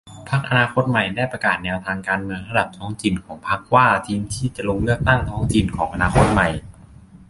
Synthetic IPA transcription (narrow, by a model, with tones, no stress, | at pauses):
pʰa˦˥k̚ʔa˧naː˧kʰo˦˥t̪̚ma˨˩jdaː˥˩jpɾa˧kaː˨˩t̪̚nɛː˧wt̪ʰaː˧ŋkaː˧nmɯ˧əŋɾa˧da˨˩p̚t̪ʰɔː˦˥ŋt̪ʰi˨˩nkʰɔː˩˦ŋpʰa˦˥k̚waː˥˩t̪ʰiː˧mt̪ʰiː˥˩t͡ɕa˨˩lo˧ŋlɯ˥˩ək̚t̪a˥˩ŋt̪ʰɔː˦˥ŋt̪ʰi˧nkʰɔː˩˦ŋʔa˧naː˧kʰo˦˥t̪̚ma˨˩j